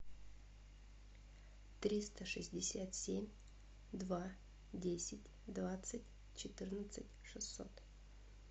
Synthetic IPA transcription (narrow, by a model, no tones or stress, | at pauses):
t̪ɾʲist̪əʂɨzʲdʲɪsʲat̪sʲemʲ | d̪va | dʲesʲɪtʲ | d̪vat̪sɨtʲ | t͡ɕɪt̪ɨrnət̪sɨtʲʂɨsːo̰t̪